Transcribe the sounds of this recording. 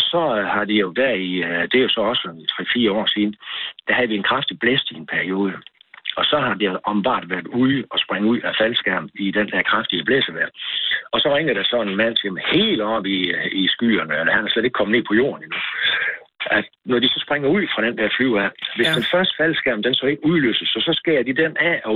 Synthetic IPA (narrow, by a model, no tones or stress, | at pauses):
sɒ̽hɑ̈d̥ijo̝d̥æɐ̰id̥ejo̝sɒ̽ɒ̽ssɒmit͡sʰʁɛ̰fiːɐɒ̰ːsiːnəd̥æɦæðˠʋie̝nkʰʁafd̥ib̥lesd̥ie̝npʰæɐio̝ːð̞ˠəɒ̽sɒ̽ɦɑ̈d̥ioʔɒb̥n̩b̥ɑ̰̈ːd̥ʋæɐd̥uðˠɒ̽sb̥ʁaŋuð̰ˠæfælsɡ̥æɐ̰mid̥end̥æɐkʰʁɑfd̥iəb̥lesəʋæɐ̰ɒ̽sɒ̽ʁeŋ̰ɐd̥æsɒ̽enmæn̰seməhe̝ːldɒ̽b̥iisɡ̥y̰ːɐnəelɐhænhæsleɾe̝ɡ̥kʰɒ̽m̩əne̝̰ːpʰɒ̽jo̝̰ːɐninu | æd̥ | nɒd̥isɒ̽sb̥ʁaŋɐuð̞̰ˠfʁɑ̈ɾ̥end̥æɐflyʊ̰æʋe̝sd̥enfɶɐsd̥ə̥fæl̰sɡ̥æɐ̰m̩d̥ensɒe̝ɡ̥uðˠløsəsɒ̽sɒ̽sɡ̥ed̥id̥enʔæɒ